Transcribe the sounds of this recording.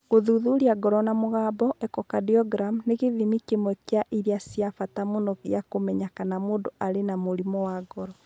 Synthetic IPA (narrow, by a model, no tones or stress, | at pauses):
ɣoðuðuɾiaɡɔɾɔnamoɣaːbɔʔɛkɔkadiɔɡɾamneɣeðimikemwɛkeaʔiɾiasjafatamonɔɣjakomɛɲakanamoːndoʔaɾenamoɾimɔwaɡɔɾɔ